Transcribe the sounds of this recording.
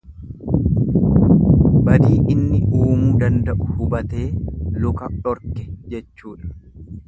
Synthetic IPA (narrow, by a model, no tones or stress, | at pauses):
bɐd̪iːʔɪnːɪʔuːmuːd̪ɐnd̪ɐʔʊhʊbɐt̪e̞ːlʊkɐɔɾkɛd͡ʒɛt͡ʃːuːᶑɐ̥